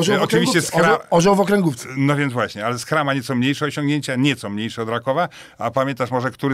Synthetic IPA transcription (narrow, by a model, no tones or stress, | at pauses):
ɔɔt͡ʂɨvʲiɕt͡ɕɛskɾaɔʑɔwvɔkɾɛŋɡuft̪nɔvʲjɛnd̪vwaɕɲɛalɛskɾamaɲɛt̪sɔmɲejʂɛɔɕɔ̃ŋɡɲeɲt͡ɕaɲɛt̪sɔmɲejʂɛɔd̪ɾakɔva | apamʲjɛnt̪aʂmɔʐɛkt̪uɾɘ